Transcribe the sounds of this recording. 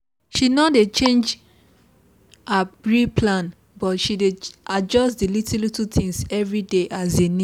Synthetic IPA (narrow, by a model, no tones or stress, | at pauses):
ʃinɔdet͡ʃẽnd͡ʒ | abɹipʰlãn | bɔtʃideʔad͡ʒɔsdilitʰllitutʰĩŋsɛvɹideʔazeni